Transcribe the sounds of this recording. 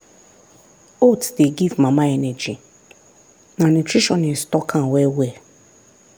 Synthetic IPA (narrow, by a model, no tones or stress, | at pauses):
otdeɡivmãmãɛnɛd͡ʒi | nãnutʰɹiʃɔ̃nɪ̃nstɔkʰãwɛwɛ